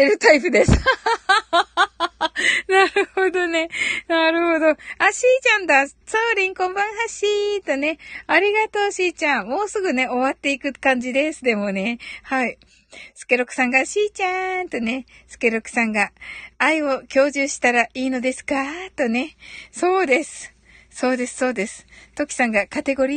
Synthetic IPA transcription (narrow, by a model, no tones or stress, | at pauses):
eɾɯ̟t̪aipɯ̟d̪e̞s | naɾɯ̟ho̞d̪o̞ne̞naɾɯ̟ho̞d̪o̞aɕiːt͡ɕãnd̪at͡soːɾʲĩŋkõ̞mbãɰ̃ɦaɕit̪one̞aɾʲiɡat̪o̞ːɕiːt͡ɕãmo̞ːsɨɡɯ̟ne̞o̞βat̪ːe̞ikɯ̟kãɲ̟d͡ʑid̪e̞sɨd̪e̞mo̞ne̞hai | sɨ̥ke̞ɾo̞kɯ̟̥sãŋɡaɕiːt͡ɕant̪o̞ne̞sɨ̥ke̞ɾo̞kɯ̟̥sãŋɡaːio̞kʲo̞ːʑɨːɕi̥t̪aɾaiːno̞d̪e̞sɨ̥kat̪o̞ne̞so̞ːd̪e̞sɨ̥ | so̞ːd̪e̞sɨ̥so̞ːd̪e̞sɨ̥t̪o̞kʲi̥sãŋɡakat̪e̞ɡo̞ɾʲi